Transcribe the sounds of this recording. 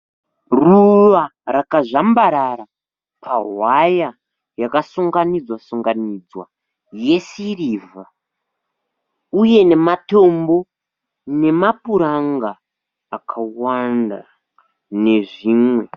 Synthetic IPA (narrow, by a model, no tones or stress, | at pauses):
ruʋarakaʐambaɾaɾa | pʰaɦwaja | jakasuŋɡanid͡zwasuŋɡanid͡zwa | je̞siriːva | uje̞ne̞mato̞mbo̞ | ne̞mapuɾaŋɡaː | kʰawanda̰ | ne̞ʐiːmwe̞